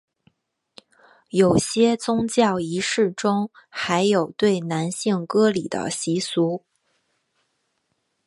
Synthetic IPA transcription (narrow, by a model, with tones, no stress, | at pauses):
jo˨˩ʊɕjɛ˥t͡sʊ˥ŋt͡ɕjɑ˥˩ʊi˧˥ʂɻ̩˥˩ʈ͡ʂʊ˥ŋxa˧˥ɪjo˨˩ʊt̪we˥˩ɪna˧˥nɕi˥˩ŋkɤ˥li˨˩d̪ə̰˦ɕi˧˥su˧˥